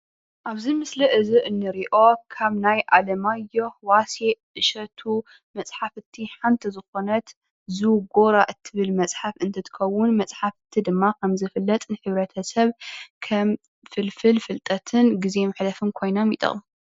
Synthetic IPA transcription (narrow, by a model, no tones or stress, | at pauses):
ʔaβzimɨsliʔɨziʔɨnːɨɾiʔo̞kʰaβnajʔa̰lɐmajohwase | ɨʃɐt̪ʰu | mɐt͡sʼħafɨt̪ʰːiħant̪ʰizɨxo̞nɐt̪ | zɨɡo̞ɾaʔɨt̪ʰːɨβɨlmɐt͡sʼħafɨnt̪ʰɐt̪ʰɨ̥kʰɐwːʊnmɐt͡sʼħafɨt̪ʰːid̪ɨmːakʰɐmzɨfɨlːɐt̪ʼnɨħɨβɾɐt̪ʰɐsɐβkʰɐm | fɨlfɨlfɨlt̪ʼɐt̪ʰɨnɡize̞mɨħlɐfɨmkʰo̞jno̞mḭt̪ʼo̰m